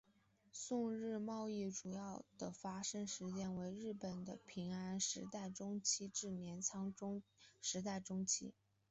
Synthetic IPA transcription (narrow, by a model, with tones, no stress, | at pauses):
sʊ˥˧ŋɻɻ̩˥˧mɑ˥˧ʊi˥˩ʈ͡ʂu˨˩jɑ˥˩ʊd̪̥ə˨˩fa˥ʂɤ˥ŋʂɻ̩˧˥t͡ɕjɛ˥nwe˧˥ɪɻɻ̩˥˩pə˨˩nd̪ə̰˦pʰi˧˥ŋa˥nʂɻ̩˧˥t̪a˥˩ɪʈ͡ʂʊ˥ŋt͡ɕʰi˥ʈ͡ʂɻ̩˥˩njɛ˧˥nt͡sʰɑ˥ŋ˥ʂɻ̩˧˥t̪a˥˩ɪʈ͡ʂʊ˥ŋt͡ɕʰḭ˥